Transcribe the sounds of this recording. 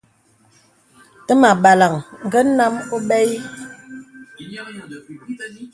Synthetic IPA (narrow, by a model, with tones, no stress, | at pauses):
tə˦ma˨ɓa˨la˨ŋŋ̩˨ɡə˦na˦mo˦ɓɛ˦j